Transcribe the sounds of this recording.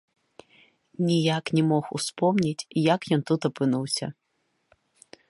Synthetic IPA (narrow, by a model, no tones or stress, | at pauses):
nʲijaknʲɛmɔxṵspɔmnʲit͡sʲjakjɔnt̪ut̪ɐpɨnuwsʲɐ̰